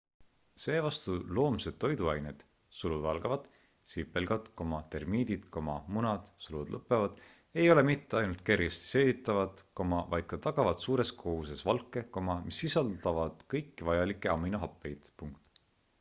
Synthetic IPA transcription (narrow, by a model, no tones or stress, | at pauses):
se̞ːvɑst̪ulo̞ːmse̞d̪̥̚t̪ːo̞jd̪uɑjned̪̥ | sulud̪ɑlɡ̥ɑvɑd̪̥ | sipːˑe̞lɡ̥ɑd̪̥ko̞mɑt̪e̞rmiːd̪̥id̪̥ko̞mɑ̰munɑd̪̥sulud̪lʔɤpːˑevɑd̪̥ | e̞jo̞le̞mit̪ːeɑjnult̪̚ke̞rjest̪i̥se̞ːvit̪ːˑɑvɑd̪̥ko̞mɑvɑjd̪̥kɑt̪ɑɡ̥ɑvɑt̪suːɾe̞skʰo̞huse̞svɑlkːˑe̞komɑmisːisɑld̪ɑvɑd̪̥kɤjkːivɑjɑlikːˑeɑmːinoɦɑpːˑe̞jd̪̥puŋkt̪